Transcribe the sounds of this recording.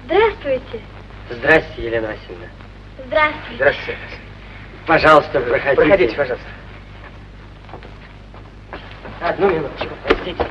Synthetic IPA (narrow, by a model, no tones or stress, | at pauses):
zd̪ɾast̪vʊjtʲɪ | zd̪ɾasʲɪtʲɪjɪlʲenəvɐsʲilʲnə | zd̪ɾast̪vzd̪ɾasʲɪ | pɐʐɑlˠəst̪əpɾəxɐd̪ʲpɾəixɐiɪpɐʐɑlˠəst̪ | ɐd̪numʲɪnut̪t͡ɕkʊpɐsʲt̪ʲitʲɪ